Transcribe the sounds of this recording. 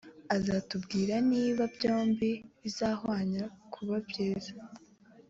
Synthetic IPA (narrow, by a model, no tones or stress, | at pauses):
azatubɡiːɾaniːβabɟo̞ːmbiβizahwaːɲakʰuβabjeːzḁ